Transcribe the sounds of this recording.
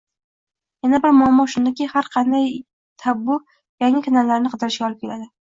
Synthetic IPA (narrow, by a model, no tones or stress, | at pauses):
janabɪɾmʊamːɒʃʊnd̪akʲɪhaɾqʰɑnd̪aj | t̪ʰabʊ | jaŋɪkʰanalːaɾnɪqʰɨd̪ɪɾɪʃɡʲaɒlˠɪp̚kʰʲe̞lad̪ɪ